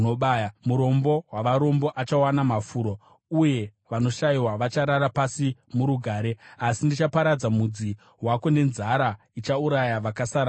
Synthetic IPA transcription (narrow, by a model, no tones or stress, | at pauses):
oɓajamuɾo̞mbo̞ɦwaʋaɾo̞mbo̞ʔat͡ʃawanamafuːɾo | uje̞ | ʋano̞ʃaiwaʋat͡ʃaɾaɾapasimuɾuɡʱaːɾe̞asindit͡ʃapaɾad͡zamud͡zi | ɦwako̞ne̞nzaɾa | it͡ʃauɾajaʋakasaɾa